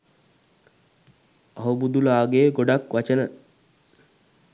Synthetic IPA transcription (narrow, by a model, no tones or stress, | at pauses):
ɐɦubud̪ulaːɡeːɡoɖakʋat͡ʃənə